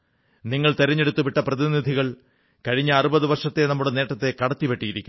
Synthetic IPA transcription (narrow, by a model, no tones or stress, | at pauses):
niŋːɐɭt̪eɾɐɲːe̞ɽut̪ːupiʈːɐprɐðinid̪ʱiɣɐɭ | kɐɻiɲːɐːrubɐðuʋɐrʂɐt̪ːenɐmːuɽene̞ːʈːɐt̪ːe̞kɐɽɐt̪ːipe̞ʈːijiɾikʲːum